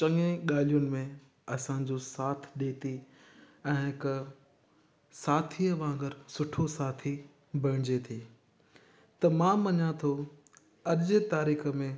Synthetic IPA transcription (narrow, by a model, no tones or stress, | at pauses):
t͡ɕɐŋẽɠaːl̤ijʊnɪ̆mẽ | ɐsãɲd͡ʑosaːt̪ʰɗet̪ʰiː | ɛ̃ːkɐ | saːt̪ʰiɐʋãːɡəɾsʊʈʰosaːt̪ʰi | bʱɐɽɪ̃d͡ʑet̪ʰiː | t̪ɐmãːmːɐɲãt̪ʰo | ɐɗd͡ʑet̪aːɾiːxə̆mẽ